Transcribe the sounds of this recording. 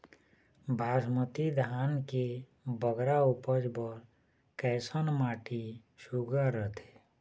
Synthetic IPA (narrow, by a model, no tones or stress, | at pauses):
bʱaːʃmət̪id̪ʱaːnke | bəɡɾaupəd͡ʒbəɾ | kɛːsənmaːʈi | ʃuɡaɾət̪ʰe̥